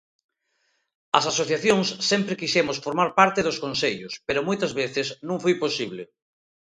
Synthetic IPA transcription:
ɐsasoθjaθjõŋsːɛmpɾekiʃɛmosfoɾmaɾpaɾt̪eðoskonseʎʊspeɾomojt̪ɐzβeθɪsnũŋfojposiβ̞le

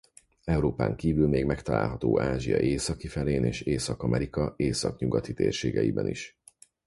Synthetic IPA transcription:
ɛuɾoːpa̰ːŋkiːvylmeːɡmɛkt̪ɒla̰ːlɦɒt̪oːʔaːʒijɒ̰ʔeːsɒkifɛleːneːʃeːsɒkɒmʔɛɾikɒeːsɒkɲuɡɒt̪it̪eːrʃeːɡɛjibɛniʃ

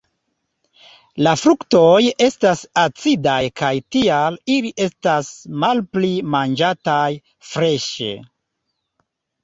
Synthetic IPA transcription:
lafɾukto̞je̞stasat͡sidajkajtialiliʔe̞stasmalplimand͡ʒataj | fɾe̞ʃḛ

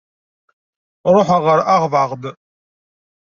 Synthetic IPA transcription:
rʊħʷaʁɐɾaʁvaːʁbɨ

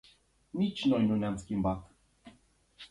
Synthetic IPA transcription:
nʲit͡ʃnɔjnʲunʲanskʲimbat̪

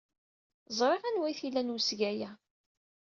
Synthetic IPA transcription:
zˤɾˤeʁænwæjθilːænwəsɡæjæ

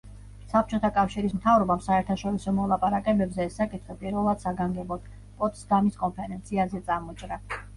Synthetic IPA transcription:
sap̚t͡ʃʰʼɔt̪ʰakʼafʃiɾismt̪ʰavɾɔbamsaɛɾt̪ʰaʃɔɾisɔmɔlˠapʼaɾakʼɛbɛbzɛːsːakʼit̪ʰχɛpʼiɾvɛlˠad̪̥saɡaŋɡɛbɔd̪̥ | pʼɔt̪ʼsd̪amiskʼɔnpʰɛɾɛnt̪sʰiazɛt̪sʼamɔt͡ʃʼɾa

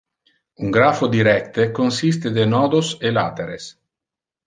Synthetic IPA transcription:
uŋɡɾaːfod̪iɾɛkt̪ekonsis̬t̪ed̪enɔːd̪osela̰t̪eɾes

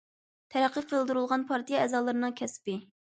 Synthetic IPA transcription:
t̪ʰɛɾæqʰːəqʰəlˠd̪uɾulˠʁɑnpʰɑɾt̪ijɛɛzɑːlˠɨɾɨnɨŋkʲʰɛspɪ

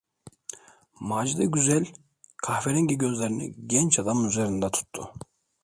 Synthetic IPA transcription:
maːd͡ʒid̪ɛɟyzɛlʲ | kʰahveɾɛɲɟiɟø̞zlʲeɾinḭɟɛnt͡ʃʰad̪amyzeɾind̪ɛt̪ʰu̥t̪ʰːṵ

